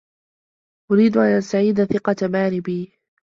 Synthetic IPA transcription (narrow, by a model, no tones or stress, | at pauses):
ʔʊɾiːd̪ʊʔanʔast̪aʕiːd̪aθɪqɑt̪amaːɾɪbiː